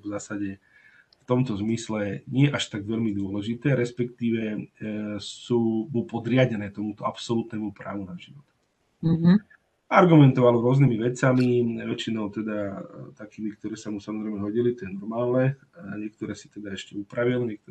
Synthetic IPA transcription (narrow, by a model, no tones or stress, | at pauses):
vzaːsaɟɛ | ft̪ɔmt̪ɔzmislɛɲɪɛʔaʃt̪aɡʋɛʎmid̪ʊɔlɛʒit̪ɛːɾɛspɛkt̪iːʋɛ | suːmupɔd̪ɾɪaɟɛnɛːt̪ɔmut̪ɔapsɔlut̪nɛːmupɾa̰ːʋunaʒiʋɔt̪ | aɾɡumɛnt̪ɔʋalɔɾʊɔznimiʋɛt͡samiʋɛt͡ʃinɔʊt̪ɛd̪at̪akiːmikt̪ɔɾɛːsamusamɔzɾɛɪmɛɦɔɟilit̪ɔjɛnɔɾmaːlnɛ | ɲɛk̚t̪ɔɾɛːsi̥t̪ɛd̪aɛʃcɛupɾaʋilɲɪɛk̚t̪ɔ